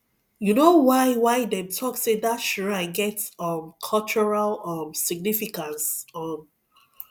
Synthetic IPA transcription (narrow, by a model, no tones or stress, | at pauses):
junowaɪwaɪdɛ̃mtʰɔksedatʃɔaɪɡɛtʌ̃mkʰɔlt͡ʃɔɹalʌmsiɡ̚nifikãnsʌ̃m